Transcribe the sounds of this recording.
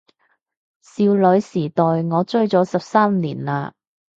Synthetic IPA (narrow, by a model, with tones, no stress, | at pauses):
siː˧wlɵ˨˥ɥsiː˨˩t̪ɔː˨jŋɔː˨˧t͡sɵ˥ɥt͡sɔː˨˥sɐ˨p̚saː˥m˧liː˨˩nlaː˧